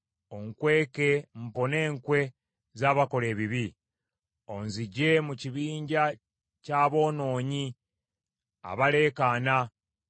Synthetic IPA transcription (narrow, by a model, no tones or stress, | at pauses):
o̞ŋkwe̞ːkem̩po̞ne̞ːŋkwe̞ | zaːβako̞le̞ːβiβi | o̞nziɟe̞muciβiːɲɟa | caːβo̞ːno̞ːɲi | a̰βale̞ːkaːna